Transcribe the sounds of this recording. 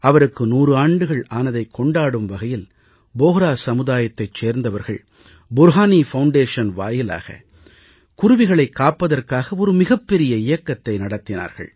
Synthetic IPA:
ɐʋɐɾɯkːɯnuːrɯaːɳɖɯɣɐɭaːnɐðɐɪkʰːɔɳɖaːɽɯmʋɐɣɐjɪl | boːɣɾaːsɐmɯðaːjɐt̪ːɐɪt͡ʃːeːɾnd̪ɐʋɐɾɣɐ̰ɭ | bʊɾɦaːnifɐʊɳɖeːʂɐnʋa̰ːjɪla̰ːɣɐ̰ | kʊɾʊʋɪɣɐɭɐɪkːaːpːɐðɐrkaːɣɐɔɾɯmɪɣɐpːɛɾɪjɐɪjɐkːɐt̪ːɐɪnɐɽɐt̪ːɪna̰ːɾɣɐ̰ɭ

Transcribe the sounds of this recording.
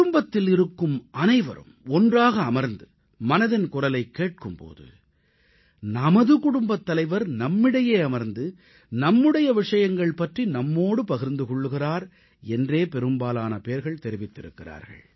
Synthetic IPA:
ʊmbɐt̪ːɪlɪɾɯkːɯmʔɐnɐɪʋɐ̰ɾɯ̰mɔndraːɣɐːmɐɾnd̪ɯ | mɐnɐðɪnkʊrɐlɐɪkːeːʈ̚kɯmpo̰ːðɯ̰ | nɐmɐðɯkʊɽʊmbɐt̪ːɐlɐɪʋɐɾnɐmːɪɽɐjeːɐmɐɾnd̪ɯ | nɐmːɯɽɐjɐʋɪʂɐjɐŋɡɐɭpɐʈrinɐmːoːɽɯpɐɣɪɾnd̪ɯkɔɭːɯɣɪraːɾ | ɛndreːpɛɾɯmbaːlaːnɐpeːɾɣɐɭt̪ɛɾɪʋɪt̪ːɪɾɯkːɪra̰ːɾɣɐ̰ɭ

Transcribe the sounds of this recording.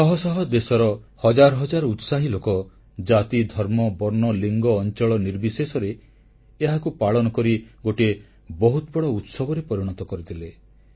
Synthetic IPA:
sɔɦɔsɔɦɔd̪esɔɾɔ | hɔd͡ʒaɾɔɦɔd͡ʒaɾɔut̪saɦilokɔ | d͡ʒat̪id̪ʱɔɾmɔbɔɾnɔliŋɡɔːnt͡ʃɔɭɔniɾbisesɔɾeː | ɦakupaɭɔnɔkɔɾiɡoʈie | bɔɦut̪bɔɽɔut̪sɔbɔɾepɔɾiɽ̃ɔt̪ɔkɔɾit̪ʰile

